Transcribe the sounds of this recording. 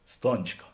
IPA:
ˈstoːnt͡ʃkɐ

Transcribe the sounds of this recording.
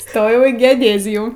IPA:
ˈstoːjɛʊ iː ɡʲɛoːˈdʲeːzʲɪjuː

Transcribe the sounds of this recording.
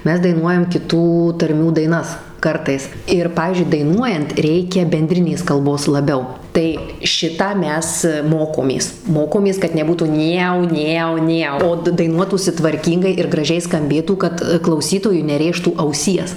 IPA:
ˈmʲɛs dɐɪˈnuɔjɛm kʲɪˈtuː tɐrʲˈmʲuː dɐɪˈnɐs ˈkɐrtɐɪs ɪr ˈpɑːʋʲiːzʲd͡ʒʲʊɪ dɐɪˈnuɔjɛnt ˈrʲɛɪkʲɛ bʲɛnʲˈdʲrʲɪnʲeːs kɐlˠˈboːs lˠɐˈbʲɛʊ ˈtɐɪ ˈʃʲɪtɑː ˈmʲɛs ˈmoːkoːmʲeːs ˈmoːkoːmʲeːs kɐt nʲɛˈbuːtuː ˈnʲeːʊ ˈnʲeːʊ ˈnʲeːʊ oː t dɐɪˈnuɔtuːsʲɪ tʋɐrʲˈkʲiːŋɡɐɪ ɪr ɡrɐˈʒʲɛɪ skɐmʲˈbʲeːtuː kɐt klˠɐʊˈsʲiːtoːjʊɪ nʲɛˈrʲeːʃtuː ɐʊˈsʲiɛs

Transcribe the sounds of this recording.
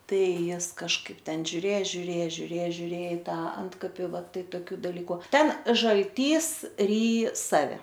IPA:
ˈtɐɪ ˈjɪs kɐʃˈkɐɪp ˈtʲɛn ʒʲʊˈrʲeː ʒʲʊˈrʲeː ʒʲʊˈrʲeː ʒʲʊˈrʲeː ɪ ˈtɐ ˈɐntkɐpʲɪ ʋɐ ˈtɐɪ toːˈkʲuː dɐˈlʲiːkʊ ˈtʲɛn ʒɐlʲˈtʲiːs ˈrʲiːj ˈsɑːʋʲɛ

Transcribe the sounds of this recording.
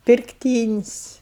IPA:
pʲɪrkˈtʲiːnʲɪsʲ

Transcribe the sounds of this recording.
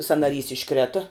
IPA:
sɐnɐˈrʲiːs ɪʃˈkrʲeːtɐ

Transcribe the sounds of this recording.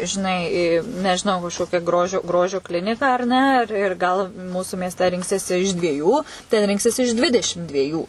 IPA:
ʒʲɪˈnɐɪ nʲɛʒʲɪˈnɐʊ kɐʃˈkoːkʲæː ˈɡroːʒʲoː ˈɡroːʒʲoː ˈklʲɪnʲɪkɑː ɐr ˈnʲɛ ˈɪr ɪr ˈɡɐlˠ ˈmuːsʊ mʲiɛsʲˈtʲɛ ˈrʲɪŋksʲiɛsʲɪ ɪʃ dʲʋʲiɛˈjuː tʲɛn ˈrʲɪŋksʲiɛs ɪʃ ˈdʲʋʲɪdʲɛʃʲɪm dʲʋʲiɛˈjuː

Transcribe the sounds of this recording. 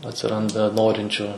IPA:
ɐtʲsʲɪˈrɐndɐ ˈnoːrʲɪnʲt͡ʃʲʊ

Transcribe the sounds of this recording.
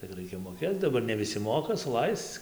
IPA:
tʲɪk ˈrɐɪkʲɛ moːˈkʲeːt͡s dɐˈbɐr nʲɛ ˈʋʲɪsʲɪ ˈmoːkɐ sʊˈlˠɐɪst͡s

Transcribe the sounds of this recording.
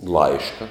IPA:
ˈlˠɐɪʃkɐ

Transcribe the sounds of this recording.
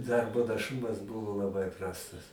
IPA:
ˈdɐrboː nɐˈʃʊmɐs ˈbʊʋoː lˠɐˈbɐɪ ˈprɑːstɐs

